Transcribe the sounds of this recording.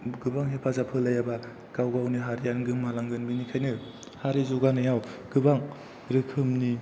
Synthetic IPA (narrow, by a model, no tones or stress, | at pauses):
ɡɯbaŋɦepʰazapʰɯlajaba | kawɡawniɦaɾijanɡɯmːalaŋɡɯnbinikʰajnɯ | haɾizuɡanɯjawɡ̥ɯbaŋ | ɾɯkʰɯmni